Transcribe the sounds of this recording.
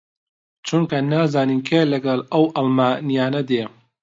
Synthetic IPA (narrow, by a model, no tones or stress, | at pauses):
t͡ʃʰunkʰɐnaːzaːniːnkʰeːlɐɡɐlˠɐwʔɐlmaːnijaːnɐd̪eː